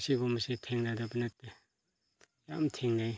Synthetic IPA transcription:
sibɔmasitʰeŋnadabanat̚ːe | jamtʰeŋnaj

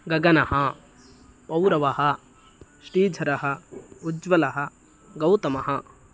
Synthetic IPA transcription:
ɡɐɡɐnɐɦɐ | pɐwɾɐʋɐɦɐ | ʃɾiːd͡ʒʱɐɾɐɦɐud͡ʒʋɐlɐɦɐ | ɡɐwt̪ɐmɐɦɐ

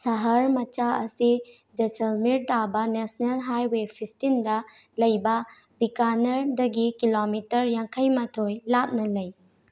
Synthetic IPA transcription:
sɐɦɐɾmɐt͡ʃaɐsi | d͡ʒeselmiɾtabɐnesnelɦajwepʰipʰtindɐlɐjbɐ | bikanɐɾdɐɡikilomitɐɾjaŋkʰɐjmatʰojlap̚nɐlɐj

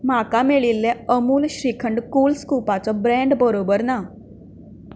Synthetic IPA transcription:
makameɭilːeəmuːlɕɾikʰəɳɖkuːlskupat͡sɔbɾɛ̃ɳɖbəɾobəɾna

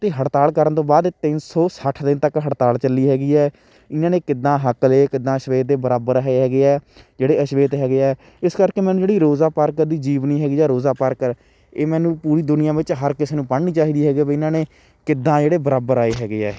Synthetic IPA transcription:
t̪eːɦəʈt̪aːlkəɾənt̪õːbaːd̪t̪ɪnsɔːsəʈʰd̪ɪnt̪əkɦəʈt̪aːlt͡ʃəlːiːɦɛːɡiːɛː | ɪnãːnẽːkɪd̪ːãːɦəkleːkɪd̪ːãːəʃʋeːt̪̚ːeːbəɾaːbəɾɦɛːeɦɛːɡeːɛːd͡ʒeːɽeːəʃʋeːt̪ɦɛːɡeːɛː | ɪskəɾkeːmɛ̃ːnũːd͡ʒeːɽiːɾoːzaːpaːɾkəɾd̪iːd͡ʒiːʋniːɦɛːɡiːd͡ʒɛːɾoːzaːpaɾkəɾ | eːmɛːnũːpuːɾiːd̪ʊnɪjãːʋɪt͡ʃɦəɾkɪseːnũːpəɽniːt͡ʃaːɦiːd̪iːɦɛːɡiːbːɪnãːneː | kɪd̪ːãːd͡ʒeːɽeːbəɾaːbəɾaːeːɦɛːɡeːɛː

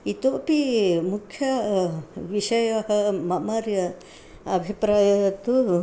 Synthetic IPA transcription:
it̪opimukʰːjɐ | ʋiʃɐjɐɦɐmɐmaɾjɐ | ɐbʱipɾajɐt̪u

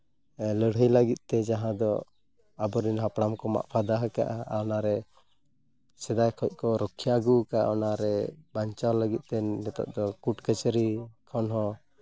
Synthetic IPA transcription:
ləɽ̤ɦəjləɡit̪̚ˀt̪ɛd͡ʒaɦãd̪ɔ | abɔɾinɦapɽamkɔma̰ʔpʰad̪aɦəka̰ʔaaɔnaɾɛ | sɛd̪ajkʰɔc̚ˀkɔɾɔkʰːijaɡukaɔnaɾɛbaɲt͡ʃawləɡit̪̚ˀt̪ɛnɛt̪a̰ʔ̚d̪ɔkuʈkət͡ʃəɾikʰɔnɦɔ̃

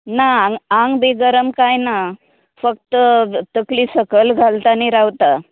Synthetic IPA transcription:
naaŋɡaŋɡbeɡəɾəmkajna | fək̚t̪ət̪əklisəkəlɡʱalt̪aniɾawt̪a

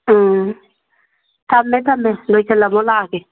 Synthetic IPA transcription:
tamːɛt̪amːɛlot͡ʃɛlamʊlaːkɛ

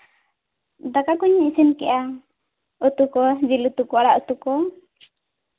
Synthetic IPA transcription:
d̪akakuɲisinkɛʔa | ut̪ukɔd͡ʒilut̪ukɔaɽaʔut̪ukɔ

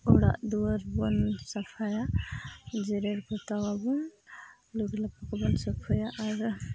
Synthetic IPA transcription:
ɔɽa̰ʔd̪uaɾbɔnsapʰaja | d͡ʒɛɾeɾpɔt̪awabɔn | luɡlapakɔbɔnsɔpʰɔjaʔːɾ

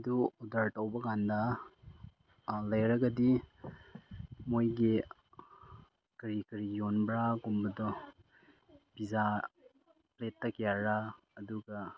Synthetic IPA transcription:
duɔdaɾtɐwbɐkandɐ | lɐjɾɐɡɐdi | mojɡi | kɐɾikɐɾijonbɾaɡumbɐdɔ | biza | pletːɐkjaɾaː | duɡɐ

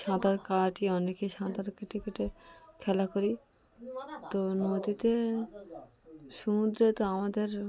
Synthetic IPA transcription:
ʃãd̪aɾkaʈiɔnekeʃãd̪aɾkeʈʰikeʈekʰɛlakoɾi | t̪onod̪it̪e | ʃumud̪ɾet̪oamad̪eɾ

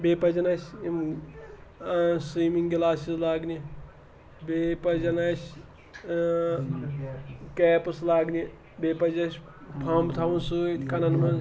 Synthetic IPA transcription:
beːpɐd͡ʒɐnɐsʲim | siːmiŋɡɡilaːsislaːɡni | bepɐd͡ʒɐnɐsʲ | kɛːpslaːɡni | beːpɐd͡ʒɐsʲ | pʰaːmbt̪ʰaːʋunsuːt̪ʰʲkɐnɐnmɐn

